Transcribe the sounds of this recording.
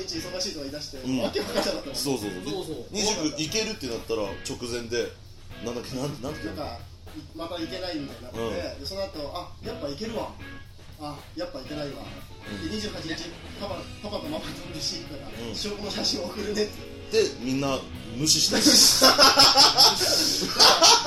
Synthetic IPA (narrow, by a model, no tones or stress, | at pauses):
it͡ɕiisoɡaɕiːt̪oɡaid̪aɕi̥t̪e̞ɯ̃makeokakatad̪at̪ːaɾsso̞ːso̞ːso̰d̪eɲ̟iʑɨkːɯike̞ɾɯ̟t̪ːenat̪ːaɾa̰t͡ɕo̞kɯ̟zẽ̞nd̪e̞ | nãnakenãnnããka | imanaike̞naimid̪anãːe̞d̪e̞so̞noat̪o̞ʔajapːaike̞ɾɯ̟βaː | japːaike̞naiβa̰ | ɯ̃d̪eɲ̟iʑɨːhat͡ɕiɲit͡ɕi | papapapak̪amamatɾiɕit̪t̪akaɯ̥̃ɕiokonoɕaɕĩɰ̃ookɯ̟ɾɯ̟ne̞t̪ | d̪̥e̞mʲĩnːa | mɯ̟ɕiɕi̥t̪a